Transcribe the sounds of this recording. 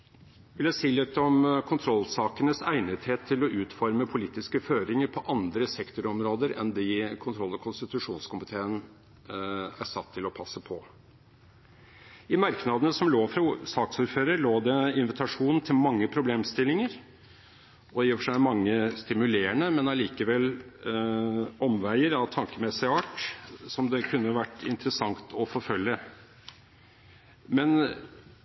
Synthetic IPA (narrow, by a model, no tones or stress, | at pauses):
ʋɪljæɪsiːlɪt̪ːəɔmkʰʊnt̪ʰɾɔlːsɑːkənəsæɪnəd̪heːt̪ʰːɪlɔʔʉːt̪fɔɾməpʰʊliːt̪ɪskəføːɾɪŋəɾpʰɔʔɑnd̪ɾəsɛkt̪ʊɾɔmɾoːd̪əɾɛ̰nd̪ɪkʰʊnt̪ʰɾɔlːɔkʰʊnst̪ɪt̪ʉʂuːnskʊmɪt̪ʰeːən | æ̰sɑt̪ʰːɪlɔpʰɑsːəpʰɔ | ɪmɑɾknɑd̪ənəsɔmloːfɾɑsɑːksuːɾføːɾəɾloːd̪ɛɪnʋɪt̪ʰɑʂuːnn̩t̪ʰɪlmɑŋːəpʰɾʊbleːmst̪ɪlːɪŋəɾ | ɔiːɔfʂæɪmɑŋːəst̪ɪmʉleːəɳəmɛnɑɭiːkəʋɛlː | ɔmʋæɪəɾɑʋt̪ʰɑŋkəmɛsɪɑːʈsɔmd̪ɛkʰʉnːəʋæʈːɪnt̪əɾəsɑŋt̪ʰɔfɔɾfœljə | mɛn